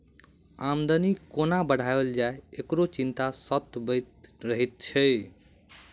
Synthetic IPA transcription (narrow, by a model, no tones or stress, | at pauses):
amd̪ənikonabəɽ̤ʱabeld͡ʒaeekɾot͡ʃint̪asət̪bəjt̪ɾəɦit̪̚t͡ʃʰə